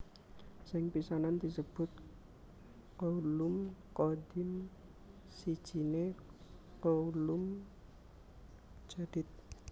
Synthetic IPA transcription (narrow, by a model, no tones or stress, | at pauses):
sɪŋpisanand̪̥i̤səb̥ʊ̤t̪̚ | koulʊmkɔdɪm | sid̥ʒ̥i̤ne | koulʊm | d͡ʒ̥ad̥ɪt̪̚